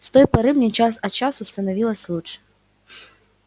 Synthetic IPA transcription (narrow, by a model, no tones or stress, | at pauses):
st̪ɔjpaɾɨmnʲɛt͡ʃas̬ɐt͡ʃasust̪ɐnavʲilˠɐsʲlˠut͡ʂ